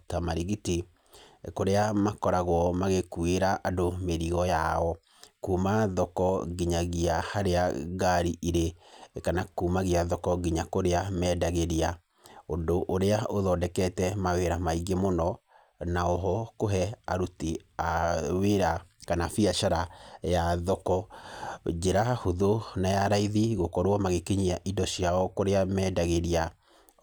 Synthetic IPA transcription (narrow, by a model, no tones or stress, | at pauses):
tamaɾiɣiti | koɾeamakɔɾaɣwɔmaɣekueɾaʔadomeɾiɣɔjaɔ | kuːmaðɔkɔɡiɲaɣiahaɾeaɡaɾiʔiɾekanakuːmaɣiaðɔkɔɡiɲakoɾeamɛːdaɣeɾia | ondoʔoɾeaoðɔdɛkɛtɛmaweɾamaiɡemonɔ | naɔɦɔkoɦɛa̰ɾutiaweɾakanafiaʃaɾajaðɔkɔ | d͡ʒeɾahoðonajaɾaiðiɣokɔɾwɔmaɣekeɲiaʔidɔɕiaɔkoɾeamɛːdaɣeɾia